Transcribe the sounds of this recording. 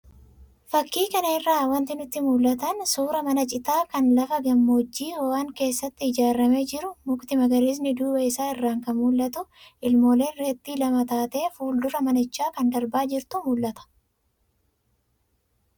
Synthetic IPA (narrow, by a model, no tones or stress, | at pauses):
fɐkːiːkɐnɐɪrːaːwɐnt̪ɪnʊt̪ːɪmuːlːɐt̪ɐnsuːɾɐmɐnɐt͡ʃʼɪt̪aːkɐnlɐfɐɡɐmːoːd͡ʒːiːhɔwaːŋke̞ːsːɐt̪ːɪɪd͡ʒaːrːɐme̞ːd͡ʒɪɾʊmʊkt̪ɪmɐɡɐɾiːs̬nɪd̪uːbɐɪsaːɪrːaːŋkɐmuːlːɐt̪ʊʔɪlmo̞ːle̞ːnreːt̪ːiːlɐmɐt̪aːt̪e̞ːfuːld̪ʊɾɐmɐnɐɪt͡ʃːaːkɐnd̪ɐɾbaːd͡ʒɪɾt̪ʊmulːɐt̪ɐ̥